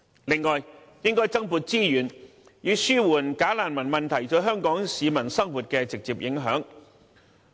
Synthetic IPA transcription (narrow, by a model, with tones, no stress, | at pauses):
lɪ˨ŋːɔː˨˩j | jɪ˥ŋkɔː˥jt͡sɐ˥ŋpuː˧t̚t͡siː˥jyː˨˩n | jiː˧syː˥wuː˨˩nkaː˨˥laː˨˩nmɐ˨˩nmɐ˨˩nt̪ʰɐ˨˩jt͡sɔ˨˥ɦœː˥ŋkɔː˨˥ŋsiː˨˧mɐ˨˩nsɐ˥ŋwuː˨t̚kɛː˧t͡sɪ˨k̚t͡siː˨p̚jɪ˨˥ŋɦœː˨˥ŋ